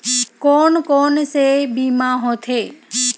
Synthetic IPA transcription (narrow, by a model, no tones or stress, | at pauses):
koːnkoːnsebiːmãːɦõt̪ʰeː